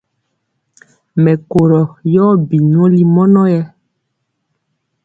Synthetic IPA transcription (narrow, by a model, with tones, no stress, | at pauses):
mɛ˨ko˨ɾɔ˨jɔː˦bi˨ɲɔ̃˦li˦mɔ˦nɔ˦jɛ˦